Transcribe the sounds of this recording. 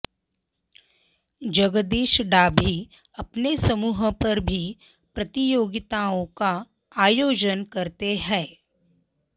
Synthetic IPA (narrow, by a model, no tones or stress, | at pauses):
d͡ʒɐɡəd̪eːʃɖaːbʱi | ɐpnesɐmuːɦpɐɾbʱi | pɾɐt̪ijoːɡɪt̪aõka | aːjoːd͡ʒənkɐɾt̪eɦɛ̃ː